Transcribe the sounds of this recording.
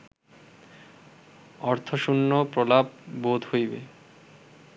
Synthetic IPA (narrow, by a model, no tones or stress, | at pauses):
ɔɾt̪ʰoʃunːopɾolab̚bod̪ʱhojbḛ